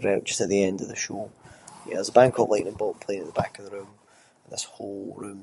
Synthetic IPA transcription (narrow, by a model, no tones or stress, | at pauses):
ɹaʊʔd̥ʒ̥ʌstəʔðiɛ̃ndəvðəʃojɛ̰əzəbãŋkʰəʔlˠeɪ̃nə̃nbɔlˠʔpʰl̥ˠẽnəʔðəbakəvðəɹʉ̃m | ə̃n̩ðɪsholˠɹʉ̃m